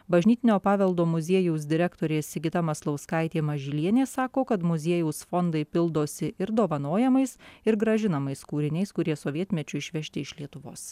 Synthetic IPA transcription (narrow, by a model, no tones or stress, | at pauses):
bɐʒʲnʲiːt̪ʲɪnʲoːpɑːʋʲɛlˠd̪oːmʊzʲiɛjuʊs̬d̪ʲɪɾʲɛkt̪oːɾʲeːsʲɪɡʲɪt̪ɐmɐslˠɐʊskɐɪt̪ʲeːmɐʒʲɪlʲiɛnʲeːsɑːkoːkɐt̪mʊzʲiɛjuʊsfond̪ɐɪpʲɪlˠd̪oːsʲɪɪɾd̪oːʋɐnoːjɛmɐɪsɪɾɡɾɐʒʲɪnɐmɐɪskuːɾʲɪnʲɛɪskʊɾʲiɛsoːʋʲiɛt̪ʲmʲɛt͡ʃʲʊɪʃʲʋʲɛʃʲt̪ʲɪɪʃʲlʲiɛt̪ʊʋo̰ːs